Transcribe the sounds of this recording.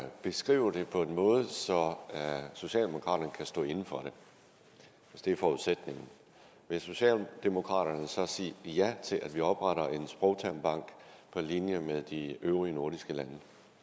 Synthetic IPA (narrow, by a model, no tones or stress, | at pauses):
b̥e̝sɡ̥ʁḭːʊ̰ɐd̥e̝pʰɒ̽e̝nmɔ̽ːð̞̩ˠsɒ̽ | so̝ɕɛ̰ːld̥e̝mo̝kʰʁɑ̈dɾ̥ɐnəkʰæsd̥ɔ̰̽ːe̝nn̩fɒ̽ɾ̥e̝ | ʋesd̥e̝ɐfɒːuðˠsed̥ne̝ŋn̩ | ʋe̝so̝ɕɛ̰ːld̥e̝mo̝kʰʁɑ̰̈ɾ̥ɐnəsɒ̽siːjæt͡sʰe̝lʔæd̥ʋiɒ̽b̥ʁɑɾɐʔe̝nsb̥ʁɒʊt͡sʰæmb̥ɑ̈ŋ̰ɡ̥pʰɒ̽linjəmeð̞ˠd̥iʔøʊʁiəno̝ɐdisɡ̥əlænə